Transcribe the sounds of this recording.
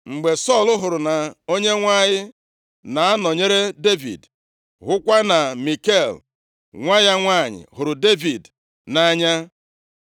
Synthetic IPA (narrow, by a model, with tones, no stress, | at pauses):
ŋ͡m̩˨ɡ͡be˨sɔ˦˨lʊ˦ɦʊ˨ɾʊ˨na˨o˦ɲe˦ŋʷa˦ɲɪ˦ | na˨a˦nɔ˨ɲe˦ɾe˦de˦vḭ˨d | ɦʊ˦kʷa˦na˨mi˨ke˦˨l | ŋʷa˦ja˦ŋʷa˦˨ɲɪ̰˨ɦʊ˨ɾʊ˨de˦vi˨d | na˦ɲa˦